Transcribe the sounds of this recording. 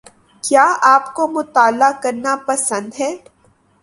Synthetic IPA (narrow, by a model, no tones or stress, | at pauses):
kjaːaːpkomʊt̪aːlakɐɾnapɐsə̃nd̪ɦɛː